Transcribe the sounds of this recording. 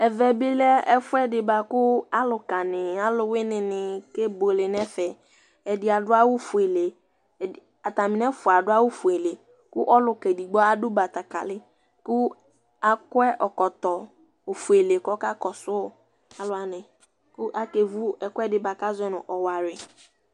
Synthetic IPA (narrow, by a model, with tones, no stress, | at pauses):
ɛ˨vɛ˨bɪ˦lɛ˦ɛ˦fʊ˦ɛ˦dɪ˨ba˨kʊ˦a˦lʊ˨ka˨nɪ˨a˦lʊ˨wɪ˦nɪ˨nɪ˨ke˦bo˨lɪ˨n˦ɛ˦fɛ˨ | ɛ˨dɪ˨a˨dʊ˦a˦wʊ˦fʊ˨e˨le˨ | a˨ta˨mɪ˨nɛ˦fʊ˨a˨dʊ˦a˦wʊ˦fʊ˨e˨le˨ | kʊ˦ʔɔ˦lʊ˨kɛ˨di˨ɡ͡bɔ˦a˦dʊ˦ba˨ta˨ka̰˨lɪ˦ | kʊ˦ | a˨kʊ˦ɛ˦ʔɔ˨kɔ˨tɔ˨ | ʊ˨fu˨e˨le˨kɔ˦ka˦kɔ˨sʊ˦˨ | a˨lʊ˨˦a˨nɪ̃˨ | kʊ˦ʔa˦ke˨vu˦ɛ˨kʊ˦ɛ˦dɪ˨ba˨ka˦zʊ˦ɛ˦nʊ̃˨ʔɔ˨wa˨ɾɪ˨